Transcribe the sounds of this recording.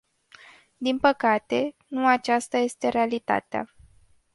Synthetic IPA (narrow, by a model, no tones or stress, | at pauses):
d̪inpəkat̪e̞nuat͡ʃast̪aje̞st̪e̞ɾe̞alit̪a̰t̪ea̰